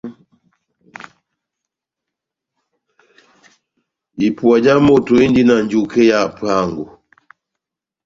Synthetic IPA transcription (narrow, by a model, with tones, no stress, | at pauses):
i˨pwa˨d͡ʒa˦mo˦˨to˨i˦n˦di˦na˨n˨d͡ʒu˦ke˦ja˦˨pa˦˨ŋɡu˨